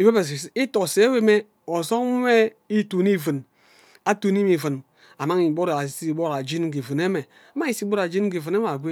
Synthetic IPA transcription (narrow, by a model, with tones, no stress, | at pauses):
i˨we˦be˨i˦to˨se˨˦we˦me˦ | o˨zo˦ŋ˦e˦ | i˦tu˨ni˦˨vɨ˨n | a˦tu˨ni˦mi˨vɨ˨n | a˨ma˦ŋi˨bo˦ɾa˨si˦˨bo˦ɾa˨d͡ʒi˦n˦ɡi˨vɨ˨ne˦me˨ | a˨ma˦ŋi˨si˦bo˦ɾa˨d͡ʒi˦n˦ɡi˨vɨ˨ne˦m˦a˨ɡʷe˦